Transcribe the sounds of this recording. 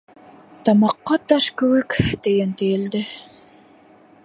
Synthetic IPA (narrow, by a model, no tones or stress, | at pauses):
t̪ɑmɑqːɑt̪ɑʃkɵwɘkt̪ejent̪ejeld̪ɪ